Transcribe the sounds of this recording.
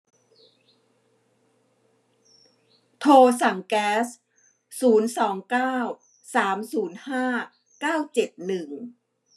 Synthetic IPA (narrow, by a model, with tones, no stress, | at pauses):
t̪ʰoː˧sa˨˩˦ŋkɛː˦˥s | suː˩˦nsɔː˩˦ŋkaː˥˩w | saː˩˦msuː˩˦nhaː˥˩ | kaː˥˩wt͡ɕe˨˩t̪̚nɯ˨˩ŋ